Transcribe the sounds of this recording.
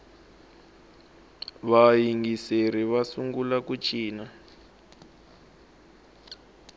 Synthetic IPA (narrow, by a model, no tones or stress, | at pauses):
βajiŋɡiseɾiβasuŋɡulakut͡ʃʰiːna